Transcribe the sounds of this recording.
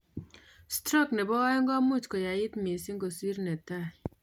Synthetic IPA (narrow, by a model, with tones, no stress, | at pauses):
stɾɔ˦˨knɛ˨bɔ˦ɔ˦ŋɡɔ˦mu˦˨t͡ʃkɔ˨ja˨jɪ˦tme˨si˦ŋɡo˨si˦ɾnɛ˨ta˦˨